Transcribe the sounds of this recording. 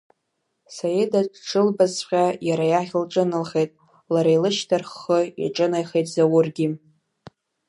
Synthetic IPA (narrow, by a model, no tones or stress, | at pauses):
sajedaʈ͡ʂʰɨlbazqʲajaɾajaχʲlʈ͡ʂʼɨnɨlχejtʼ | laɾajlɨʃtʰarχːəḭʈ͡ʂʼɨnajχejtʼzawʊrɡʲi